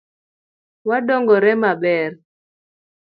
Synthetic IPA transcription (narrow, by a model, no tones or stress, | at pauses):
wadɔŋɡɔɾɛmabɛr